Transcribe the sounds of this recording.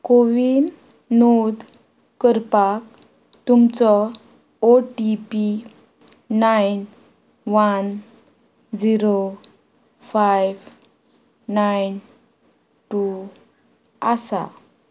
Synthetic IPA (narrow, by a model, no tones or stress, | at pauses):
koʋin | nod̪ | kəɾpak̚ | t̪umt͡sɔ | oʈipi | najn | ʋan | d͡ziɾo | fajʋː | ajn | ʈu | asa̰